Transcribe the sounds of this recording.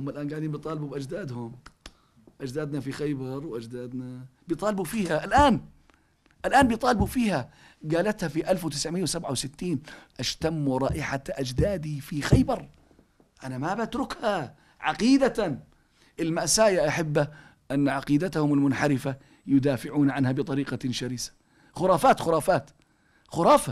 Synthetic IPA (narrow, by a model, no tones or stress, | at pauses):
hʊmːalʔaːnɡaʕd̪iːnbit̪ˤɑːlbubʔad͡ʒd̪aːd̪hʊm | ʔad͡ʒd̪aːd̪nafixajbɑɾˤwʔad͡ʒd̪aːd̪nabɪt̪ˤɑːlɪbufiːhaʔalʔaːn | ʔalʔaːnbit̪ˤɑːlɪbufiːha | ɡaːlat̪hafiʔalfwɪt̪ɪsʕmɪjawsabʕawsɪt̪ːiːnʔaʃt̪amːuɾˤɑ̰ːʔɪħaʔad͡ʒd̪aːd̪ifixajbɑɾˤ | ʔanamabat̪ɾʊkha | ʕaqiːd̪a | ʔɪlmaʔsaːjaʔaħɪbːa | ʔanːʕaqiːd̪at̪ahʊmɪlmʊnħaɾɪfa | jʊd̪aːfɪʕuːnʕanhabɨt̪ˤɑɾiːqɑʃaɾiːsḁ | xʊɾˤɑːfaːt̪xʊɾˤɑːfaːt̪ | xʊɾˤɑːfa